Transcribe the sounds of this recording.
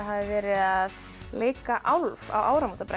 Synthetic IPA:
ɦaːvɪvɛːɾɪðað | leːjkaʔawlva̰waːwɾamuːt̪apɾa

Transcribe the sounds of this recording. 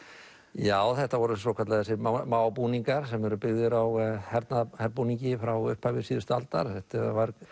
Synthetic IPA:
jaːwθɛht̪avɔɾʏsɔwkʰat̪laðθɛsɪmaːwpuniŋkaɾ̥sɛmɛɾʏpɪɣðʏɾawhɛɾt̪nahɛɾpuniɲcɪfɾawʏhphavɪ̥siːðʏst̪alt̪a̰ɾ̥θɛht̪ɪvaɾ

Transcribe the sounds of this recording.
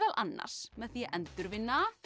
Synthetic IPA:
ɛlʔanːa̰ɾ̥smɛðθiʔɛnt̪ʏɾvɪnːa

